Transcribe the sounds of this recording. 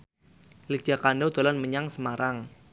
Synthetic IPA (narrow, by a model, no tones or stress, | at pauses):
lik̚ʒ̥a̤kanɖawt̪olɔnməɲaŋsəmaɾaŋ